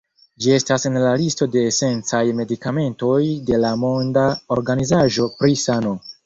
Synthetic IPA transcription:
d͡ʒie̞stase̞nlalisto̞de̞ːse̞nt͡sajme̞dikame̞nto̞jde̞lamo̞ndaoɾɡanizaʒo̞pɾisano̞

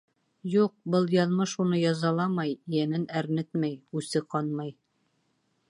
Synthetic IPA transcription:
juq̚bɤlˠjɑlˠmɤʃunɤjɑzɑlˠɑmɑjijænɘnæɾnɘt̪mæjʉsɘqɑnmɑj

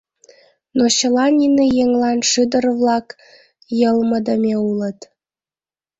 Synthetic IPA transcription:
noɕə̆lɑnʲinejeŋlɑnʃɨd̪ərβlɑk | jəlməd̪əmʲeulə̆t̪

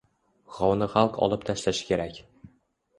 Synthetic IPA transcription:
ʁɒwnɤχælˠqɒ̰lˠɤp̚t̪ʰæʃlæʃkʲeɾækʲ

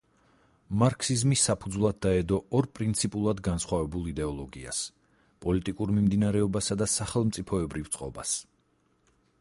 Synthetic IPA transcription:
maɾkʰsizmisːapʰud̪zvlˠad̪̚d̪ːaɛd̪ɔɔɾpʼɾint̪sʰipʼulˠad̪ɡansχwavɛbulˠid̪ɛɔlˠɔɡia̰s | pʼɔlit̪ʼikʼuɾmimd̪inaɾɛɔbasad̪asaχɛlˠmt̪sʼipʰɔɛbɾivt̪sʼqʼɔ̰bas

